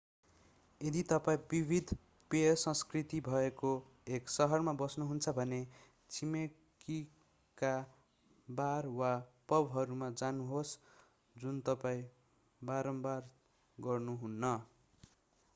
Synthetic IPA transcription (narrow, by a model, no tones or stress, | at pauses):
jed̪it̪ʌpaĩbibʱid̪ʱ | peʌsʌ̃skrit̪ibʱʌeko | eksʌɦʌrmabʌsnuɦunt͡sʰʌbʱʌne | t͡sʰime | ki | ka | barwapʌbɦʌɾumad͡zanuɦos | d͡zunt̪ʌpaĩ | baɾʌmbar | ɡʌrnuɦunːʌ